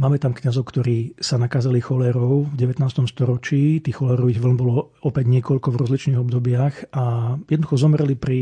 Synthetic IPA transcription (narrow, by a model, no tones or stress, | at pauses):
maːmɛt̪amkɲazɔʊkt̪ɔɾiːsanakazalixɔlɛɾɔʊvɟɛʋɛt̪naːst̪ɔmst̪ɔɾɔt͡ʃiːt̪iːxxɔlɛɾɔʋiɣʋl̩nbɔlɔ | ɔpɛɟɲɪɛkɔʎkɔvɾɔzlit͡ʃniːɣɔbd̪ɔbɪaxajɛd̪nd̪uxɔzɔmɾɛlipɾi